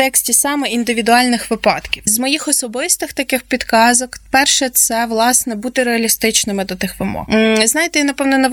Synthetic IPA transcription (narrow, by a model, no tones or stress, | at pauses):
t̪ɛksʲtʲisɑmɛind̪ɪʋʲid̪ʊɑlʲnɪxʋɪpɑt̪kʲiwzmɔjixɔsɔbɪst̪ɪxt̪ɐkɪxpʲid̪kɑzɔkpɛrʃɛt̪sɛʋlˠɑsnɛbut̪ɪɾeɐlʲist̪ɪt͡ʃnɪmɪd̪ɔt̪ɪxʋɪmɔ̰hznɑjɪt̪ɛjanɐpɔʋnɛnɔ